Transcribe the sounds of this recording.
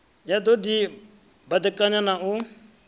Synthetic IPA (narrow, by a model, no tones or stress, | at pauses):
jad̪od̪i | bad̪əkʼaɲãnãʔu